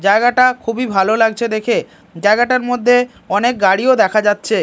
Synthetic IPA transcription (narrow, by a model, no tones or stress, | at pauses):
d͡ʑaeɡaʈakʰubibʱalolaɡ̚t͡ɕʰed̪ekʰe | d͡ʑaeɡaʈaɾmod̪ʱːe | ɔnek̚ɡaɽiod̪ɛkʰad͡ʑatːɕʰe